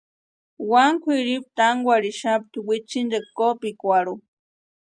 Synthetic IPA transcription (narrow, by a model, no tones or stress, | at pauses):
waŋkʰʷiɾip̚t̪aŋɡʷaɾiʃap̚t̪uwit͡ʃind̪ekopikʷaɾu